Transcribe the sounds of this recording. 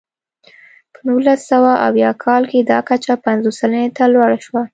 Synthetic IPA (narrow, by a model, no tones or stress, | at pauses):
pənulasawaʔa̰wjɑkʰɑlked̪ɑkat͡ʃapanzosalənet̪alwaɽaʃwa